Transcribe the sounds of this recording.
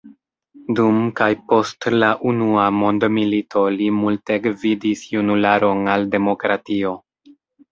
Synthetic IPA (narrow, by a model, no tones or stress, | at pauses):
dumkajpo̞stlaʔunuamo̞ndmilitʰo̞limulteɡvidisjunulaɾo̞nalde̞mo̞kɾatio̞